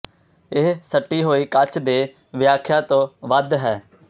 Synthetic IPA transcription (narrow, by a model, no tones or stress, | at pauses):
ɪɦsəʈːiːɦoːiːkət͡ʃʰd̪eː | ʋɪjaːkʰjaːt̪õːʋəd̪ɦɛː